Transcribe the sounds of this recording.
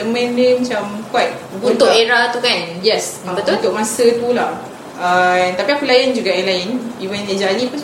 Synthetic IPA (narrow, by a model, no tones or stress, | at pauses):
əmɛ̃ndəmat͡ʃamkwat̪̚bũt̪ʊʔeɾat̪ukanjɛsabət̪ot̪ʊʔ̚mãsət̪ulah | ant̪apiapulajand͡ʒuɡaʔjãlajɪnivəned͡ʒalipun